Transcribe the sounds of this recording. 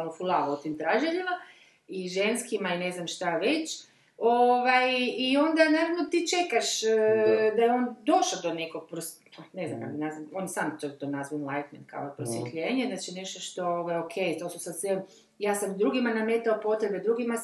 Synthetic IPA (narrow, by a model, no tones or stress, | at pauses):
nofulˠaot̪imt̪ɾaʒeʎima | iʒe̞nskimaine̞znamʃt̪aʋe̞t͡ɕ | oʋajio̞nd̪anaːɾaʋnot̪it͡ʃe̞kaʃ | d̪ajeo̞ːnd̪o̞ʃad̪o̞neko̞ɡ̚pɾos | nezna̰ma̰ɡinazao̞njsamt̪ot̪onazʋaenlˠajt̪menka̰oepɾosjet̪ʎeːɲeznaːt͡ʃineʃt̪oʃt̪o̞oʋajokʰejt̪o̞susad̪sʋe | jaːsamd̪ɾuːɡimanamet̪aopo̞t̪ɾe̞bed̪ɾuːɡima